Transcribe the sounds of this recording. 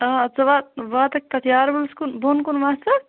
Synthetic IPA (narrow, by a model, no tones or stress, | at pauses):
aɐt͡sɐʋat̪̚ʋaːt̪ɐk̚t̪ɐt̪ʰjaːɾbulskunbonkunʋaːsɐ